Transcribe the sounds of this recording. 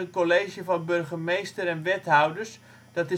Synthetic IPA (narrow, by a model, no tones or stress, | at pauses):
ənkoleːʒjəvɔnbørɣəmejstəɾɛnʋɛthawdərs | d̥ɔtɪ